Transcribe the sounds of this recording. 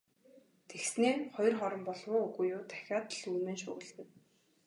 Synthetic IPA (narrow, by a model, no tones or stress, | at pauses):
t̪ʰexsneːχɔjrχɔɾɞ̆mpɔɮwʊːɵɣujʊːt̪ʰæ̥xʲaːt̪ə̆ɮuːmeːnʃʊ̰ːɣə̆ɮɣɘ̆w